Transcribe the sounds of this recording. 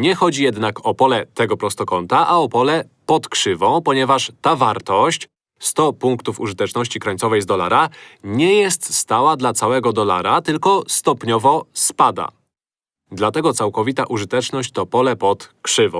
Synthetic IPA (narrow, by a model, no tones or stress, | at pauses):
ɲɛxɔd͡ʑijɛd̪nakɔpɔlɛt̪ɛɡɔpɾɔst̪ɔkɔnt̪aʔaɔpɔlɛ | pɔt̪kʂɘvɔ̃w̃pɔɲɛvaʂt̪avaɾt̪ɔɕt͡ɕ | st̪ɔpuŋkt̪ufṵʐɘt̪ɛt͡ʂnɔɕt͡ɕikɾaɲʲt̪sɔvɛjzd̪ɔla̰ɾaɲɛjɛst̪st̪awad̪lat̪sawɛɡɔd̪ɔla̰ɾat̪ɘlkɔst̪ɔpɲɔvɔspad̪a̰ | d̪lat̪ɛɡɔt̪sawkɔvʲit̪aʔuʐɘt̪ɛt͡ʂnɔɕt͡ɕt̪ɔpɔlɛpɔt̪kʂɘvɔ̃w̃